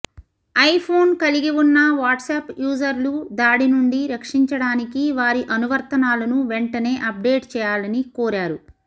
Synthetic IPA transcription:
ɐjpʰoːnkɐliɡiwunːɐʋaːʈseːpjuːd͡ʒɐɾlud̪aːɽinuɳɖiɾɐkʂiɲt͡ʃɐɽaːnikiʋaːɾiʔɐnuʋɐɾt̪ɐnaːlɐnuʋeɳʈɐne̞ːʔɐp̚ɖe̞ːʈt͡ʃɛːjaːlɐnikoːɾaːɾu

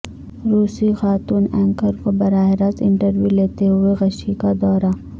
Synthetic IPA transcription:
ɾuːsixaːt̪uːnɛ̃ːŋkəɾkobɐɾaːɦɪɾat̪ɪ̰̃ɳʈəɾwjuleːt̪eɦʊeɣɐʃikad̪ɔːɾa

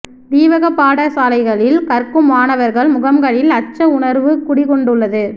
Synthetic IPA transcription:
ʋ̪iːʋɐɣɐpːaːɽɐsaːlɐɪɣɐɭɪlkɐɾkɯmaːnɐʋɐɾɣɐɭmʊɣɐmɡɐɭɪlɐt͡ʃːɐʊɳɐɾʋɯkʊɽɪkɔɳɖɯɭːɐðɯ

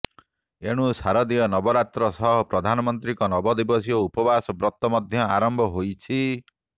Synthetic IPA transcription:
eɽ̃usaɾɔd̪iɔnɔbɔɾat̪ɾɔsɔɦɔpɾɔd̪ʱanɔmɔnt̪ɾikɔnɔbɔd̪ibɔsioupɔbasɔbɾɔt̪ːɔmɔd̪ʱjɔaɾɔmbʱɔɦojt͡ʃʰi

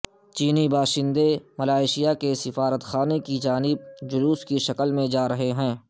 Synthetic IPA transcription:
t͡ʃiːnibaːʃɪ̃nd̪emɐlaːɪʃijakesɪfaːɾət̪xaːnekid͡ʒaːnɪb̚d͡ʒʊɾuːskiʃɐkəlmẽd͡ʒaːɾɐɦeɦɛ̃ː

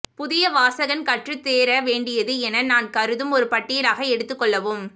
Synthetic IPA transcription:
pʊðɪjɐʋaːsɐɣɐnkɐʈrɯt̪ːeːɾɐʋeːɳɖɪjɐðɯɛnɐnaːnkɐɾɯðɯmɔɾɯpɐʈːɪjɪlaːɣɐɛɽɯt̪ːɯkːɔɭːɐʋoːm

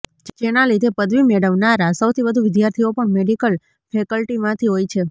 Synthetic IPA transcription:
d͡ʒd͡ʒenalid̪epəd̪ʋimeɽəʋnaɾasəwt̪ʰibəd̪ʱuʋɪd̪jaɾt̪ʰiopəɳmeɖikəl | fʰekəlʈimãt̪ʰiɦojt͡ʃʰe

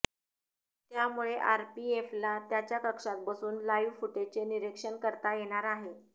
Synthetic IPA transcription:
t̪jamuɭeʔaɾpieflat̪jat͡ɕjakəkʂat̪̚bəsuːnlaiʋfuʈet͡seniɾekʂəɳkəɾt̪ajeɽ̃aɾaɦe

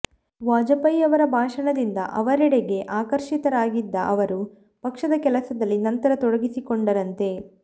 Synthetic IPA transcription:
ʋaːd͡ʒɐpɐjɐʋɐɾɐbʱaːʂɐɳɐd̪ind̪ɐ̰ʔɐʋɐɾɛɽeɡe̞ʔaːkɐɾʂit̪ɐɾaːɡid̪ːɐʔɐʋɐɾu | pɐkʂɐd̪ɐkɛlɐsɐd̪ɐlːinɐnt̪ɐɾɐt̪ɔɽɐɡisikoɳɖɐɾɐnt̪e̞

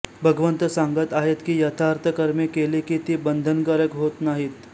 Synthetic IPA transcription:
bʱəɡʋənt̪əsãŋɡət̪aɦet̪kiːjɐt̪ʰaɾt̪ʰəkəɾmekelikit̪iːbənd̪ʱənkəɾəkɦot̪naɦiːt̪

